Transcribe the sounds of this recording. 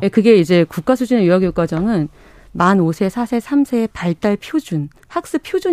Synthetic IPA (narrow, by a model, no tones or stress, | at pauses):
ekɯɡe̞id͡ʑe̞kuk͈asʰud͡ʑinejujaɡjok͈ad͡ʑʌŋɯn | manosʰe̞sʰasʰe̞sʰamsʰe̞ːpaɭt͈aɭpʰjod͡ʑun | hak̚s͈ɯpʰjod͡ʑu